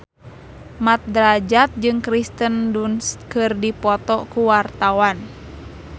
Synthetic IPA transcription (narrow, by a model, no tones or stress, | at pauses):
mat̪̚dɾad͡ʒat̪̚d͡ʒɨŋkɾist̪əndunskɨrdipɔt̪ɔkuwart̪awan